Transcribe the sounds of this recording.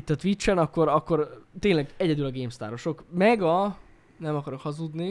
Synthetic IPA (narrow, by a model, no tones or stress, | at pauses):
t̪ːɒt̪ʋit͡ʃːɛnɒkːo̞ɾɒkːo̞rt̪eːnlɛɡɛɟɛd̪ylɒɡeːmst̪a̰ːɾo̞ʃo̞kmɛɡɒ | nɛmɒkɒɾo̞khɒzud̪ni